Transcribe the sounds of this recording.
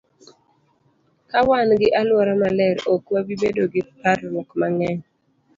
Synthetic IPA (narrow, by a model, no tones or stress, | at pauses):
kawanɡɪʔalwɔɾamalɛɾokwabibedoɡɪpaɾːɔkmaŋɛɲ